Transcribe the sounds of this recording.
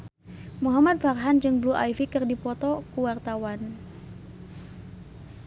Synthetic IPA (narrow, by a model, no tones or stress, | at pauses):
muɦamat̪̚farɦand͡ʒɨŋbluʔa̰ifikɨrdipɔt̪ɔkuwart̪awan